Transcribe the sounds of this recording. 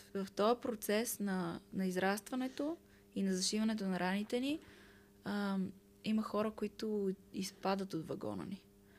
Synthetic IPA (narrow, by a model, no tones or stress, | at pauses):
vɐft̪ɔjəpɾot̪sɛsnɐnɐizɾast̪vɐnɛt̪o | inɐzɐʃivənɛt̪̬onɐɾanit̪ɛni | iməxɔɾəkoit̪ʊispad̪ət̪od̪vɐɡɔ̰nə̰ni